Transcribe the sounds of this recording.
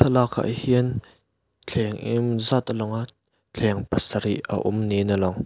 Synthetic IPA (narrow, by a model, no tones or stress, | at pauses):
t̪ʰəlakʰːa̰ʔhiən | t͡ɬʰɛŋʔimzat̪lɔŋa | t͡ɬʰɛŋpɐsaɾiʔʔə̰ʔumninəlɔŋ